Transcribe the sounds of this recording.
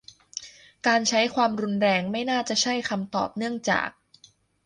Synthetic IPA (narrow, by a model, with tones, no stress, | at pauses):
kːaː˧nt͡ɕʰa˦˥jkʰwaː˧mɾu˧nɾɛː˧ŋma˥˩jnaː˥˩t͡ɕa˨˩t͡ɕʰa˥˩jkʰa˧mt̪ɔ̰ː˨˩p̚nɯ˥˩əŋt͡ɕa̰ː˨˩k̚